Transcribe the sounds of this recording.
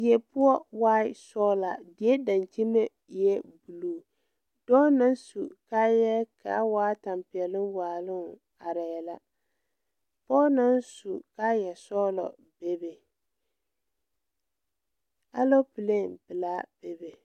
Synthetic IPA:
dɪ˨ɛ˦pʊ˦ɔ˦waː˦sɔ˦la˨dɪ˨ɛ˦da˨nt͡ʃi˦me˦ | jɛ˦bu˨luː˨ | d̥ɔː˦na˦nsu˨ka˦jɛ˦ka̰˨˦waː˦ta˨mpɪ˨ɛ˨lɨ˦nwaː˨lɨ˦˨ | a˨ɾa˨jɛ˨la˦ | pɔː˦na˦nsu˨ka˦jɛ˨sɔː˦lɔ̰˨ | be˦be˨ | a˦lo˦pɨ˨le˦˨nbɨ˨laː˦b̥e˨be˨

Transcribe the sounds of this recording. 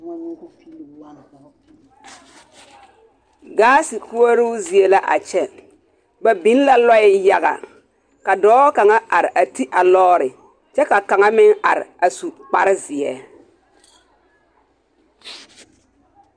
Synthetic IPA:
ɡaː˦sɪ˨ku˦a˦ɾu˦zi˨e˨la˦ʔa̰˨t͡ʃɛ˦ | ba˨bi˦n˦la˦lɔ˦ɪ˦ja˨ɣa̰˨ | ka˨dɔː˦ka˨ŋa˦ʔa˨ɾɪ˨ʔa˨ti˦ʔa˨lɔː˦ɾɪ˨ | t͡ʃɛ˦ka˨ka˨ŋa˦mɪ˦ŋa̰˨ɾɪ̰˨a˨su˨k͡pa̰˨ɾɪ˦zɪ˨ɛ̰˦

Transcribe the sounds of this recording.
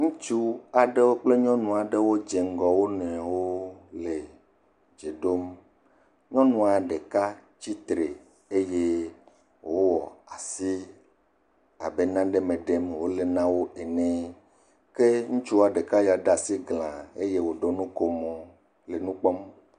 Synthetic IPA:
ŋũ˦t͡ʃu˦a˨ɖe˦wo˦k͡ple˦ɲɔ̃˦nũ˨a˨ɖe˦wo˦d͡ʒe˨ŋ˦ɡɔ˨wo˦nɛ̃˨wo˦le˨ | d͡ʒe˨ɖo˦m | ɲɔ̃˦nũ˦a˨ɖe˨ka˦t͡ɕi˦t̪ɾe˨ | e˦je˦ | wo˦wɔ˨a˨si˦ | a˨be˦nã˦ɖe˦mẽ˨ɖe˦mwo˦le˨nã˦wo˦ʔe˨nɛ̃˦ | ke˦ŋũ˦t͡ʃu˦wa˨ɖe˨ka˦ja˨ɖa˨si˦ɡlã˨e˦je˦wo˨ɖo˦nũ˦ko˨mɔ̃˨ | le˨nũ˦k͡pɔ˦m

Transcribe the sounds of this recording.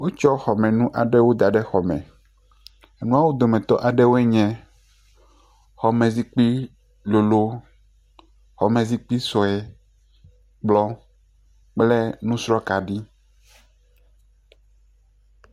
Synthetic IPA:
wo˦t͡ʃɔ˦xɔ˨mɛ̃˨nũ˦ʔa˨ɖɛ˦wo˦d̪a˨ɖɛ˦xɔ˨mɛ̰̃˨ | e˨nũ˦a˦wo˦d̪o˨mɛ̃˨t̪ɔ̰˦ʔa˨ɖɛ˦wo˦ɛ˦ɲɛ̃˨ | xɔ˨mɛ̃˨zi˦k͡pi˦ | lo˨lo˦ | xɔ˨mɛ̃˨zi˦k͡pi˦sɔ˨ɛ˨ | k͡plɔ˦ | k͡plɛ˦nũ˦sɾɔ˦ka˨ɖi˦

